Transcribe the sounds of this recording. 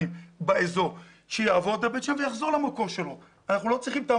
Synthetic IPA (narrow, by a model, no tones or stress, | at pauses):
imbaezo̞ | ʃejaːvo̞d̪abet̪ʃamvejaχzo̞ʁlamako̞ʁʃelo̞ | anaχnulo̞t͡sʁiχimt̪a